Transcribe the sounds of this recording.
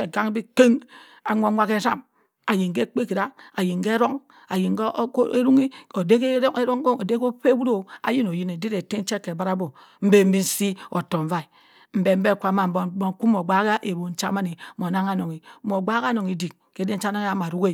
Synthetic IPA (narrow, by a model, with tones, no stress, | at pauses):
e˨ɡa˦ŋ˦bi˦ke˦ŋ | a˨ŋʷo˦ŋʷa˦ke˦ɾa˦m | a˨ji˨ŋke˦k͡pe˦ki˨ɾa˦a˨ji˨ŋ˨ɡe˦ɾo˦ŋ | a˨ji˨ŋɡe˦ɾu˦ŋi˦o˨de˦ke˦e˦ɾo˦ŋ˦o˦o˨de˦ko˦pe˦bu˦ɾo˦a̰˨ji˦no˨ji˦ne˨di˦ɾe˨te˦n̩˦t͡ʃe˦kːe˨ba˦ɾa˦bo˨ | m̩˦be˦m̩˦bi˦n̩˦si˦o˨to˨ɱ̩˨va˦i˨ | m̩˨be˨m̩˦be˦˨kʷa˨˦ma˨bo˨bo˦ŋ˨ku˦mo˨ɡ͡ba˦ka˦ʔe˨bo˨n̩˦t͡ʃa˦ma˦ni˨˦mo˨na˦ŋa˦no˨ŋi˨˦mo˨ɡ͡ba˦ka˦no˨ŋi˨di˨k̚ke˦de˦n̩˦t͡ʃa˦na˦ŋ˦a˦ma˨ɾu˦ke˦